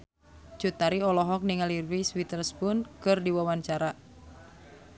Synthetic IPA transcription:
t͡ʃut̪aɾiɔlɔɦɔk̚niŋalirwiswit̪ərspunkɨrdiwawaɲt͡ʃaɾa

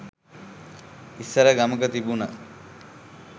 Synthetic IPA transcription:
isːəɾəɡaməkət̪ibunə

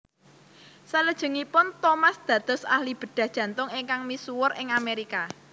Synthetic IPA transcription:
saləd̥ʒ̥ə̤ŋipʊnt̪omasd̪̥ä̤t̪ɔ̤sa̰hlib̥ə̤ɖ̪̥ä̤hd̥ʒ̥ä̤nt̪ʊŋɪŋkaŋmisuwʊrʔɪŋameɾika

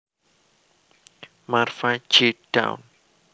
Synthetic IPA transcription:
marfḁd͡ʒeɖ̥a̰w̰n

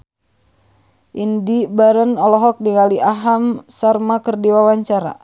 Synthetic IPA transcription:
ʔindibaɾənɔlɔɦɔk̚diŋaliʔaɦamsarmakərdiwawaɲt͡ʃaɾa̰

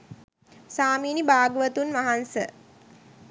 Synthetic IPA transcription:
saːmiːnibaːɡəʋət̪unʋaɦansə

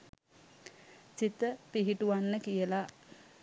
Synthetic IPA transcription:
sit̪əpiɦiʈuʋanːəkijəla

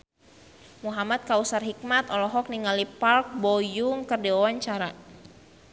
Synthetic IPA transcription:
muɦamat̪̚kausarɦik̚mat̪ɔlɔɦɔk̚niŋalipalk̚bɔjʊŋkɨrdiwawaɲt͡ʃaɾa

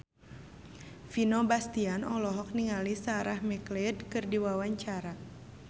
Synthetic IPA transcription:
finɔbast̪ianɔlɔɦɔk̚niŋalisaɾahmɛkledkɨrdiwawaɲt͡ʃaɾa

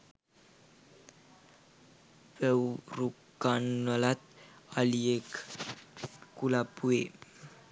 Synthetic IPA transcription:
bəwɾukanwəlat̪̚aliek | kulapue

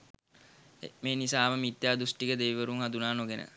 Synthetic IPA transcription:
ḛmeːnisaːməmit̪ːjaːd̪usʈikəd̪eʋiʋəɾuŋɦad̪unaːnoɡenə̰

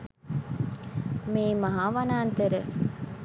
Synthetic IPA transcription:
miːmɐɦaːʋɐnaːnt̪eɾə

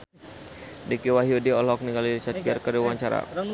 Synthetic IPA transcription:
dɛkiwaɦiudiɔlɔk̚niŋɡalidit͡ʃat̪ɡərkədiwaɲt͡ʃaɾa̰

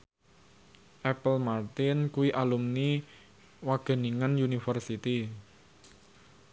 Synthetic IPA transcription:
ʔɛpəlmart̪ɪnkuiʔalumni | waɡ̥ə̤niŋanjunifərsit̪i

